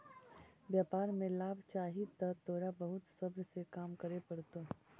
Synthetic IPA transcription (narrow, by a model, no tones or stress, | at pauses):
bjaːpaːɾmẽlaːbt͡ʃaːɦit̪ɐd̪ɔːɾabɐɦʊt̪sɐbɾsekaːmkɐɾepɐɽt̪oː